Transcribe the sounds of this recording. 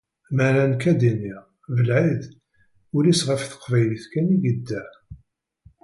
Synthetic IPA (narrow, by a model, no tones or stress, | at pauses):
mæɾænkæd̪inːiʁ | vəlʕið | ʊɾisʁəfθə̥qvæjliθkæniɡəd̪ːæ